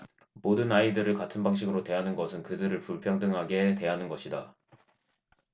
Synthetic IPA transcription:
modɯnaidɯɾɯɭkatʰɯnbaŋɕ̬ʰiɡɯɾote̞ɦanɯnɡʌsʰɯnkɯdɯɾɯɭpuɭpʰjʌŋdɯŋɦaɡe̞te̞ɦanɯnɡʌɕʰida

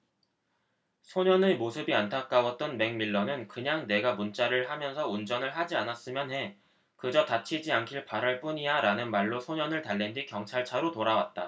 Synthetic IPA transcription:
sʰoɲʌnɯmosʰɯbiantʰak͈awʌt̚t͈ʌnme̞ŋmiɭːʌnɯnkɯɲaŋne̞ɡamunt͡ɕ͈aɾɯɭhamjʌnsʰʌund͡ʑʌnɯɭɦad͡ʑianas͈ɯmjʌnɦe̞ | kɯd͡ʑʌtat͡ɕʰid͡ʑiankʰiɭpaɾaɭp͈uɲijaɾanɯnmaɭːosʰoɲʌnɯɭtaɭːendɥikjʌŋt͡ɕʰaɭt͡ɕʰaɾotoɾawat̚t͈a

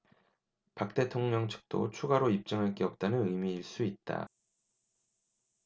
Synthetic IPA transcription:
pak̚t͈e̞tʰoŋɲʌŋt͡ɕʰɯ̥k̚t͈o̰t͡ɕʰuɡaɾoip̚t͡ɕ͈ɯŋaɭk͈eʌp̚t͈anɯnɯjmiːɭs͈uit̚t͈a̰

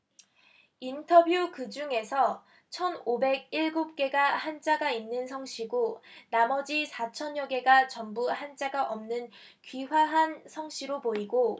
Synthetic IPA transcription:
intʰʌbjukɯd͡ʑuŋe̞sʰʌ | t͡ɕʰʌnobe̞ɡ̚iɭɡup̚k͈e̞ɡahant͡ɕ͈aɡainːɯnsʰʌŋɕʰiɡonamʌd͡ʑisʰat͡ɕʰʌnjʌɡe̞ɡat͡ɕʌmbuhant͡ɕ͈aɡaʔʌmnɯn | kɥiɸwaɦansʰʌŋɕʰiɾopoiɡo

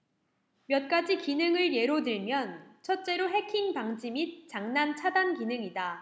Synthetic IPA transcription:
mjʌt̚k͈ad͡ʑikinɯŋɯɭje̞ɾodɯɭmjʌnt͡ɕʰʌt̚t͡ɕ͈e̞ɾoɦe̞kʰiŋpaŋd͡ʑimit̚t͡ɕ͈aŋnant͡ɕʰadankinɯŋida

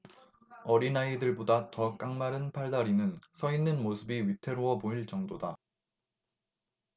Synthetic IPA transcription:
ʌɾinaidɯɭbodatʌk͈aŋmaɾɯnpʰaɭdaɾinɯnsʰʌinːɯnmosʰɯbiɥitʰe̞ɾowʌmoiɭt͡ɕ͈ʌŋdoda

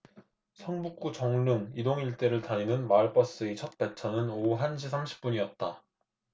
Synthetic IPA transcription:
sʰʌŋbuk͈̚ut͡ɕʌŋnɯŋidoŋiɭt͈e̞ɾɯɭtaɲinɯnmaɭp͈ʰʌs͈ɯet͡ɕʰʌt̚p͈e̞t͡ɕʰʌnɯnoɦanɕʰisʰamɕʰi̥p̚p͈uɲiʌt̚t͈a

